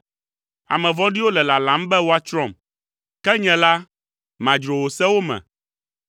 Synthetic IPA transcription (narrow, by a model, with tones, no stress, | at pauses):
a̰˨mɛ̃˨vɔ̃˦ɖi˦wo˦lɛ˨la˨lã˨˦mbɛ˦wo˦a˦t͡ʃɾɔ̃˦˨m | kɛ˦ɲɛ̃˨la˦ | mã˨d͡ʒɾo˨wo˨sɛ˦wo˦mɛ̰̃˨